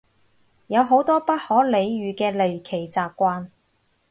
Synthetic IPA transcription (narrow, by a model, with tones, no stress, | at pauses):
jɐ˨˧wɦo˨˥wt̪ɔː˥pɐ˥t̚hɔː˨˥le˨˧jɥyː˨kɛː˧le˨jkʰe˨˩jt͡saː˧p̚kʷaː˧n